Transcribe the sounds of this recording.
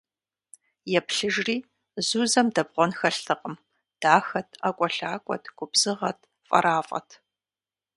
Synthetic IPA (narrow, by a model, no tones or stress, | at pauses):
jɛpɬɨʒriː | zuːzɐmdɐbʁʷɔnxɐɬtʰɨqʼəm | d̥aːxɐtʰakʷʼɔɬaːkʷʼɔ̰tʰɡ̥ʷʊbz̥ɨʁɐtʰ | fʼɐ̰ɾʔaːfʼɐ̰tʰ